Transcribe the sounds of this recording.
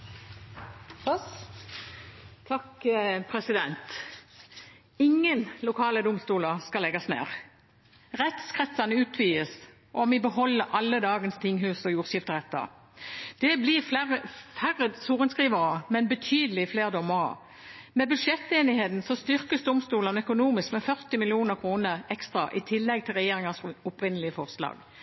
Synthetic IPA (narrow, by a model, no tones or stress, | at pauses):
t̪ʰɑkpʰʁɛsɪd̪ɛnt̪ | ɪŋːənlʊkʰɑːləd̪ʊmst̪uːləskɑlɛɡɑsnḛːʁ | ʁɛt̪skʰʁɛt̪sɑnəʉːt̪ʰʋiːəs | ʔɔmɪbəhɔlːəʔɑlːəd̪ɑːɡənst̪ʰɪŋɦʉːsɔjuːʁʃɪft̪əʁɛt̪ːɑ̰ | d̪̥ɛblɪfæʁəfæʁːəsuːʁənskʁiːʋəʁəmɛnbət̪ʰyːd̪əlɪfleːʁd̪ɔməʁə̰ | mɛbʉd̪ʂɛt̪ːeːnɪheːt̪n̩sɔst̪ʏʁkəsd̪ʊmst̪uːlɑnœkʊnuːmɪskmɛfœʁt̪ɪmɪlɪuːnəʁkʰʁuːnəɾɛkst̪ɾɑ̰ʔɪt̪ʰɪlːɛɡ̚t̪ʰɪlʁɛjeːʁɪŋɑsʊpʁɪnəlɪəfɔʁslɑ̰ːɡ